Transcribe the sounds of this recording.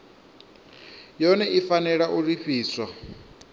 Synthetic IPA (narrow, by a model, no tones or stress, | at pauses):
jɔnɛʔifanɛɺaʔuɺiɸiːswa